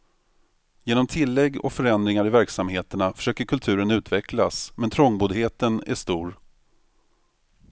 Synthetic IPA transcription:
jeːnɔmt̪ʰɪlːɛɡːɔ̰kfœɾɛnd̪ɾɪŋaɾɪvæɾksamheːt̪əɳafœ̥ʂøːkəɾkʰɵlt̪ʰʉ̟ːɾənʉ̟ːt̪vɛklasmɛnt̪ʰɾɔŋbuːd̪ɦeːt̪ənæ̰ʂt̪uːɾ

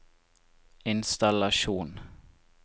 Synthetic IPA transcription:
ɪnst̪alɑʃuːn

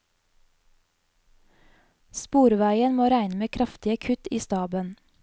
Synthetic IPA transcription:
spuːɾʋæɪənmoːɾæɪnəmeːkʰɾɑft̪ɪəkʰʉt̪iːst̪ɑːbən

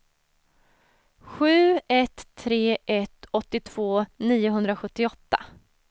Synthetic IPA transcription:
ɧʉ̟ːɛt̪ʰːɾeːʔɛt̪ɔt̪ːɪt̪ʰv̥oːniːʊɦɵnd̪ɾaɧɵt̪ːɪɔt̪ːa

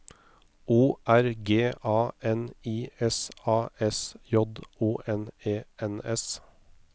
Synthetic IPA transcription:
ʔuːʔæɾɡeːʔɑːɛniːɛsɑːʔɛsjɔd̪uːʔɛneːɛnɛs

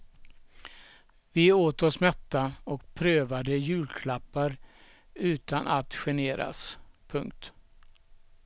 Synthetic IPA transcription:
vɪoːt̪ɔsmɛt̪ːaɔk̚pʰɾøːvad̪əjʉ̟ːlkʰlapːaɾ | ʉ̟ːt̪anʔat̪ɧɛneːɾa̰spʰɵŋk̚t̪

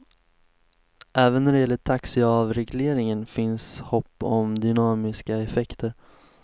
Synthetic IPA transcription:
ʔɛːvənːæɖɛjɛlːəʈʰaksɪavɾɛɡleːɾɪŋənfɪnshɔpːɔmd̪ʏnɑːmɪskaɛfɛkt̪ʰəɾ

